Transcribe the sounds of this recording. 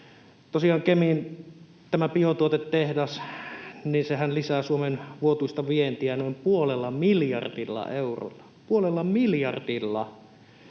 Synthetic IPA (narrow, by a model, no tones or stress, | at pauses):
t̪osiɑːŋkemiːn | t̪æmæpiot̪uot̪et̪tːehdɑs | ninsehænlisæːsuomenʋuot̪uist̪ɑʋient̪iænoˑimpuolelːɑmiljɑ̰rdilːɑ̰euro̰lːɑ | puolelːɑmiljɑrdilːɑ